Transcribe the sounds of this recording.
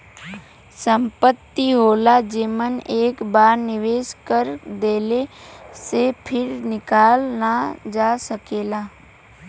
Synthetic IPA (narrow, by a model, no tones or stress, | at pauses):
sə̃mpət̪ːiɦoːlad͡ʒeːməneːkbaːɾnɪʋeːskəɾd̪eːlesepʰɪɾnɪkaːlnad͡ʒaːsəkeːlaː